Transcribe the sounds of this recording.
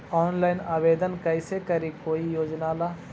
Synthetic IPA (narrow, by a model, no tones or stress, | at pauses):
ɔːnlaːɪnaːʋeːd̪ənkɐɪsekɐɾikoːijoːd͡ʒnaːlaː